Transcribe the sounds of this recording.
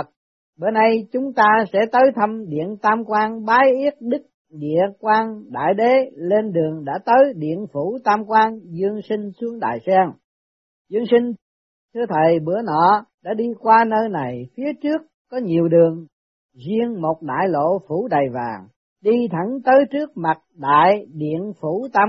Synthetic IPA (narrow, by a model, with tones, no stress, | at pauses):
t̚ | ɓə˧˩nɗə˧jt͡ɕʊ˨˦ŋ͡mt̪aː˧sɛ̰˧˥t̪əː˨˦jt̪ʰə˧mɗḭ˧˨ənt̪aː˧mkwaː˧ŋɓaː˨˦jʔi˦˥ət̚ɗɨ˦˥k̚ | ɗḭ˧˨əkwaː˧ŋɗa̰ː˧˨jɗe˨˦le˧nɗɨ˨˩əŋɗa̰ː˧˥t̪əː˨˦jɗḭ˧˨ənfu˧˩t̪aː˧mkwaː˧nzɨ˧əŋsi˧ŋ̟su˨˦əŋɗa̰ː˧˨jsɛ˧ŋ | zɨ˧əŋsï˧ŋ̟ | t̪ʰɨ˧ət̪ʰə˨˩jɓɨ˧˩ənɔ̰˧˨ɗa̰ː˧˥ɗi˧kwaː˧nəː˧jna˨˩jfi˨˦ət͡ɕɨ˦˥əkːɔ˨˦ɲi˨˩əwɗɨ˨˩əŋ | zi˧ənmo˨˩t̚ɗa̰ː˧˨jlo̰˧˨fu˧˩ɗa˨˩jvaː˨˩ŋ | ɗi˧t̪ʰə˧˩nt̪əː˨˦jt͡ɕɨ˦˥ək̚ma˨˩t̚ɗa̰ː˧˨jɗḭ˧˨ənfu˧˩t̪a˧